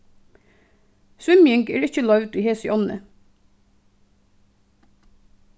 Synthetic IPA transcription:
sʉmjɪŋɡḛːɹɪçəlɑʉʋd̪iːheːsɪʔɔnə̰

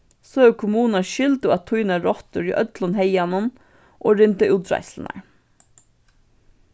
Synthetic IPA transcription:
soːʉkʰʊmuːnɑʃʏld̪ʊɑt̪ʰʊʏnɑɹɔt̪əɹḭːʔœt̪lɔnheɪjɛnʊm | ʔoːɾʏnt̪əʔʉːd̪ɹɑ̰ɪsln̩æ̰ɹ

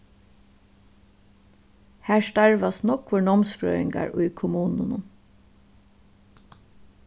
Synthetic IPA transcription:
hæːɹst̪aɹʋasnɔkʋʊɳɔmskɹœ̰ːɪŋɡa̰ɹʊjkʰʊmuːnʊnʊn

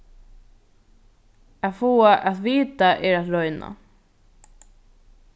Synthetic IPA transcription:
aðfuːaʔaðʋiːt̪aʔɛɾaðɾɔʏna̰

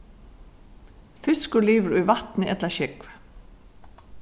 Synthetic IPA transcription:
fɪskʏliːvʏɾujvaht̪nɪɛt̪laʃɪkv

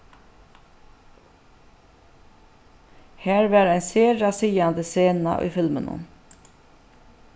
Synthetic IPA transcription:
hæːɹʋæːɾæɪnseːɹɑsiːɑnd̪əseːnɑ̰ʔy̰ːfɪlmənə̰n

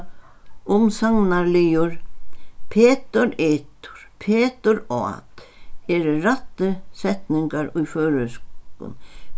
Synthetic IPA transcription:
ʊmsaŋnaɾlijʊɾ | pʰɛːt̪ʏɾeːt̪ʊ̥ɾ̥pʰɛːt̪ʏɾɔ̰a̰t̪ɛɾʏrat̪ːɪsɛht̪nɪŋkaɾujfœːɾʏskʏ̰n

